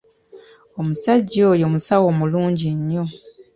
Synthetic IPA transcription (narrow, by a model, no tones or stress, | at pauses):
omusaɟːo̞ːjo̞ːmusawo̞ːmuluːɲɟiɲːo̞